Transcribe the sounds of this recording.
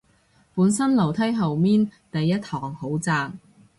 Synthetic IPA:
puː˨˥nsɐ˥nlɐ˨˩wt̪ʰɐ˥jɦɐ˨wmiː˥nt̪ɐ˨jːɐ˥thʰɔː˨˩ŋho˨˥wt͡saː˨˧ŋ

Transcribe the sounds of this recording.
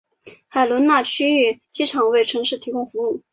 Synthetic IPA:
xa˨˩ɪlwə˧˥nna˥˩t͡ɕʰy˥y˥˩t͡ɕi˥ʈ͡ʂʰɑ˨˩ŋwe˥˩ɪʈ͡ʂʰɤ˧˥ŋʂɻ̩˥˩t̪ʰi˧˥kʊ˥˧ŋfu˧˥u˥˩

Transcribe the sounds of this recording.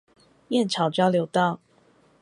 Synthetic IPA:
jɛ˥˨nʈ͡ʂʰɑ˨˦ʊt͡ɕo˥˧jljo˧˥ʊt̪ɑ˥˨ʊ

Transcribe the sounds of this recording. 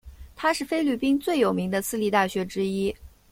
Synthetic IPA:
t̪ʰa˥ʂɻ̩˥˩fe˥ɪly˥˩pi˥ŋt͡swe˥˩ɪjo˨˩ʊmi˧˥ŋd̪ə˧sɹ̩˥li˥˧t̪a˥˩ɕɥɛ˧˥ʈ͡ʂɻ̩˥i˥

